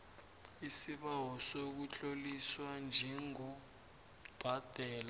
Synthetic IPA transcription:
isiɓawɔsok̬ut͡ɬʼoliswand͡ʒʱɛŋɔ | b̥ʱad̥ʱɛːla

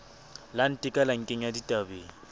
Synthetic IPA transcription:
lan̩tʼɪkʼalaŋ̩kʼeŋ̩jaditʼabeːŋi

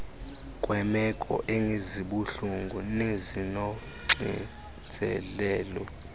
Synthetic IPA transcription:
kʼwɛmɛkʼɔ̰ʔeŋʱeziɓuɬuŋɡʱunezinɔ | ŋ͡ǀḭ | d͡zʱɛlɛːlɔ

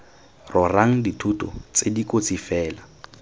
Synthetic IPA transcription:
rʔɔraŋ̩ditʰutɔ̰t͡sedikʼot͡sifɛːla

